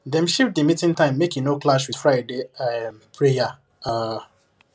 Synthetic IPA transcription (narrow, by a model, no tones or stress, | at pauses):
dɛ̃m̩ʃif̚dimitɪ̃ntãɪ̃mːekjunoklaʃwi̥fɹaɪdeampʰɾeja | a